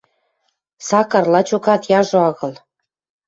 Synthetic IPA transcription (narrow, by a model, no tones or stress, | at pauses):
sɑkɑrlɑt͡ɕokɑt̪jɑʒoɑɣɤ̆l